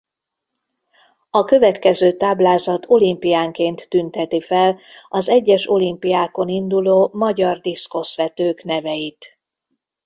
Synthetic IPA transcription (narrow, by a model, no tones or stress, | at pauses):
ɒkø̞vɛt̪kɛzøːt̪aːblaːzɒt̪ʰo̞limpijaːŋkeːnt̪ːynt̪ɛt̪ifɛlɒzɛɟːɛʃo̞limpijaːko̞nind̪uloːmɒɟɒrd̪isko̞sʋɛt̪øːknɛvɛjit̪